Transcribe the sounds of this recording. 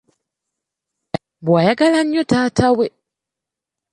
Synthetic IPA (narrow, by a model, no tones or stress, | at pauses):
bwajaɡalaɲːotaːtʰawe